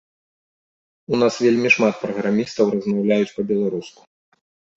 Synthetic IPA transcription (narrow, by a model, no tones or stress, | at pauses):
unasvʲelʲmʲiʂmat̪̚pɾɐɣɾamʲist̪ɐwrɐzmawlʲajut͡sʲpɐbʲɛlˠaɾusku̥